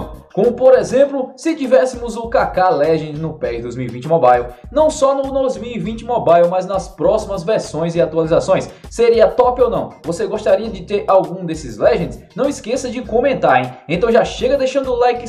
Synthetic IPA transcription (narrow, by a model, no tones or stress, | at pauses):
kõmʊpoɾezẽmplʊsɪt͡ʃivɛsɪmʊzʊkakalɛʒẽd͡ʒ̪ɪnʊpɛd͡ʒɪd̪ojzmiwivĩnt͡ʃɪmɔbajlnɐ̃w̃sɔnʊd̪ojzmiwivĩt͡ʃɪmɔbajwmɐznɐspɾɔsimɐzvɛɾsõj̃zɪat̪ualizasõj̃sːeɾiɐt̪ɔpiownɐ̃w̃voseɡost̪aɾiɐd͡ʒɪt̪eɾawɡũd̪esɪzlɛʒẽnɪ̥snɐ̃w̃iskesɐd͡ʒɪkõmẽnt̪aɾẽẽt̪ɐ̃w̃ʒaʃeɡɐd̪eʃɐ̃nd̪ʊlajkɪ